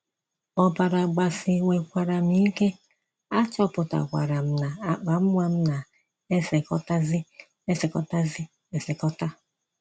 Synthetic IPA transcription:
ɔ˨ba˨ɾa˨ɡ͡ba˨sɪ˨ŋʷe˨kʷa˨ɾa˨m̩˦i˦ke˦ | a˦t͡ʃɔ˦pʊ˨ta̰˨kʷa̰˨ɾa˨m̩˦na˨a˨k͡pa˨m̩˦mʷwʷa˦m̩˦na˨ | e˦se˨kɔ̰˦ta˦zɪ˦ | e˦se˨kɔ˦ta˦zɪ˦ | e˨sɪ˨kɔ˦ta˦

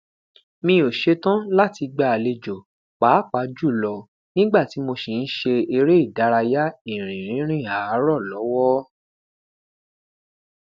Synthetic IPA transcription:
mĩ˧o˨ʃe˧tã˦la˦ti˧ɡ͡ba˦˨a˨le˧d͡ʒo˨ | k͡paː˨˦k͡pa˨˧˦d͡ʒu˦˨lɔ˧ | nĩ˦ɡ͡ba˦˨ti˨˦mo˧ʃi˨n̩˦ʃe˧e˧ɾe˦i˦˨da˨˦ɾa˧ja˦i˦˨ɾ̃ĩ˨ɾ̃ĩ˨˦ɾ̃ĩ˦˨a˨˦ɾɔ˦˨lɔ˨˦wɔ˦

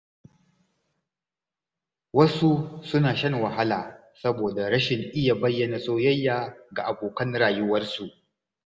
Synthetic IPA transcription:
wɐ˦su˦sʊ˦naː˨ʃɐ˦ŋwɐ˨ɦa˦laː˨ | sɐ˦boː˨da˨ɽɐ˦ʃɪ˨ŋʔɪ˦ja˨bɐ˦jːɐ˨na˨sʼoː˦jɐ˦jːaː˨ɡa˨ʔa˨boː˨kɐ˦nɽaː˨jʊ˦wɐ˦rsu˨ʔ

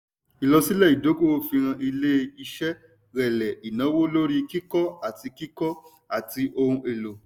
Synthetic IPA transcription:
i˨lɔ˧si˦lɛ˦˨i˨do˨˦ko˦˨wo˦fi˧ɾ̃ã˧ʔi˧le˦˧i˧ʃɛ˦ | ɾɛ˨lɛ˨i˨nã˨˦wo˦lo˦ɾi˦ki˦kɔ˦a˦˨ti˧ki˦kɔ˦ | a˦˨ti˧ʔo˧ɾũ˧e˨lo˨

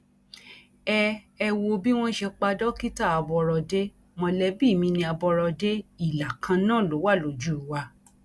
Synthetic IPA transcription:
ɛ˧ | ɛ˧wo˧bi˦w̃ɔ̃˦ʃɛ˧k͡pa˧dɔ˦ki˦ta˦˨a˧bɔ˧ɾɔ˧de˦ | mɔ̃˧lɛ˧bi˦˨mĩ˧nĩ˧a˧bɔ˧ɾɔ˧de˦i˦˨la˨kʰã˧nãː˦˨lo˨˦wa˦˨lo˨d͡ʒu˦˨u˨wa˧

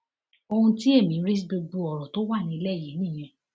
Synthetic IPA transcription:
o˧hũ˧ti˦e˦˨mĩ˨˦ɾi˦s̬bo˧ɡ͡bu˧ɔ˨ɾɔ˨to˦wa˦˨nĩ˧i˧lɛ˦˨ji˨˦nĩ˦˨j̃ɛ̃˧˦

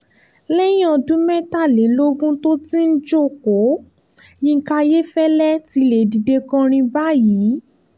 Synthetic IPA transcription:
lɛ˦j̃ɔ̃˦˨dũ˨˦mɛ˦ta˦˨le˨˦lo˦ɡũ˦to˦ti˦n̩˦d͡ʒo˦˨ko˨˦ | jĩ˧˦ka˧je˦fɛ˦lɛ˦ti˧˦le˨di˨de˧kɔ̃˧ɾ̃ĩ˧ba˦jiː˨˦

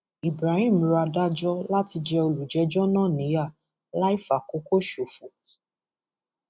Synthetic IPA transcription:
i˨bɾa˨hĩ˦˨m˧ɾa˧da˦d͡ʒɔ˦la˦ti˧d͡ʒɛ˧o˧lu˨d͡ʒɛ˨˦d͡ʒɔ˦nãː˦˨nĩ˨˦ja˦˨ | la˦i˦fa˨ko˨˦ko˦ʃo˨fu˨

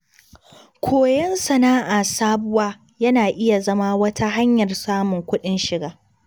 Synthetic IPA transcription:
kʷʰoː˨jɛ˦nsɐ˨naː˦ʔaː˨saː˦bʊ˦waː˦ | jɐ˦naː˨ʔɪ˦ja˨zɐ˦ma˦wɐ˦tʰa˦ɦa˦ɲjɐ˨rsaː˦mʊ˨ŋkʷʊ˦ɗɪ˦nʃɪ˨ɡaː˦

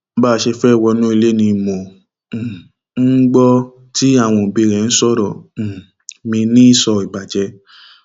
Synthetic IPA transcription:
ba˦˨˧ʃe˧fɛ˦˨wɔ˧nũ˦i˧le˦nĩ˧˨mɔ̃˨ | n̩˦ɡ͡bɔ˦ | ti˦a˦˨w̃ɔ̃˧˨bi˧˨ɾɛ̃˨n̩˦sɔ˦˨ɾɔ̃˨ | mĩ˧nĩ˦i˦˨sɔ˧i˨ɡ͡ba˨d͡ʒɛ˧

